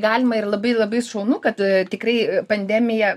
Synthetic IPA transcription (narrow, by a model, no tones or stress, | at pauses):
ɡɑːlʲɪmɐɪrlˠɐbɐɪlˠɐbɐɪsʃɐʊnukɐt̪t̪ʲɪkɾɐɪpɐnʲd̪ʲæːmʲɪjɛ